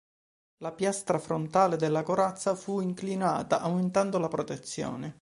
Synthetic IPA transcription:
lapjast̪ɾafɾont̪aːled̪elːakoɾat̪sːafuiŋklinaːt̪aʔawment̪and̪olapɾot̪et̪sːjo̰ːne

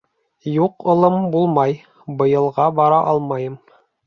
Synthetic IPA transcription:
juqŏlˠɤmbulˠmɑj | bɤ̆jɤ̆lˠʁɑbɑɾɑʔɑlˠmɑjɤm

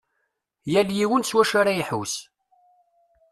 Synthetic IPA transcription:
jæljiwənswæʃaɾaiħus

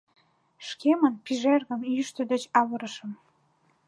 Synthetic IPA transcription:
ʃkemənpiʒerɣə̆mjyʃt̪ə̆d̪et͡ɕɑβəɾəʃəm

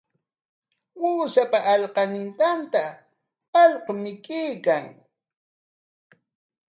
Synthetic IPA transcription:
wuːsapaʔːʎqɑnɪnt̪ant̪aː | ʎqɑmɪkeːkaŋ

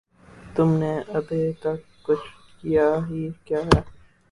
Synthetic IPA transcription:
t̪ʊmneʔɐbet̪ɐkːʊt͡ʃʰ | kijaɦikjaːɦɛː

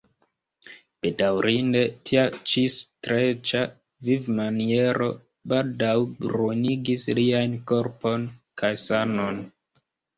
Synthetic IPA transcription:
b̥e̞dawɾinde̞tʰiat͡ʃistɾet͡ʃa | vivmanie̞ɾo̞ | baldawbɾoniɡislianko̞ɾpo̞nkajsano̞n

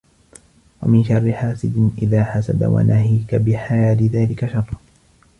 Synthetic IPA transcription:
wa̰mɪnʃɑrˤːɪħaːsɪd̪ɪʔɪðaːħasa̰ba̰wa̰nʔaɦiːkabɪħaaːlɪðaːlɪkaʃɑrˤː

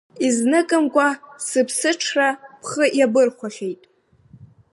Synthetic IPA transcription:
iznɨkʼɨmkʷʼasɨpʰsɨʈ͡ʂʰrapʰχəʔjabɨrχʷaχʲejtʼ

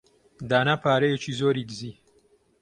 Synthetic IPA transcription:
d̪aːnapʰaːɾejet͡ʃizoːɾiːɡɨziː

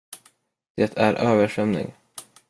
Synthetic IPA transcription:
d̪̥ɛt̪ʰæɾʔøːvəʂœmnɪ̰ŋ

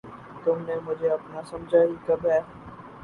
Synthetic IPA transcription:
t̪ʊmnemʊd͡ʒʱeɐpnasɐmd͡ʒʱaɦikɐbɦɛː

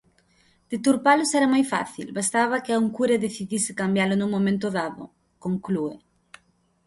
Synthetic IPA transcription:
d̪̥ɪt̪uɾpalʊsɛɾamajfa̰θḭlbast̪aβɐkɪauŋkuɾeðeθiðisɪ̥kambjalʊnuŋmõmẽnt̪ʊðaðʊ̰ | koŋkluḛ

